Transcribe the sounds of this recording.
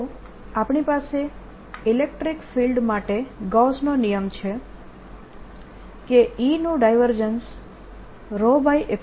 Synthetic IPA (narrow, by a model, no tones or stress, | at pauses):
apɳipase | ilek̚ʈɾikfilɖmaʈeɡɔsnonijəmt͡ʃʰe | keinũɖajʋəɾd͡ʒəns | ɾobaiʔek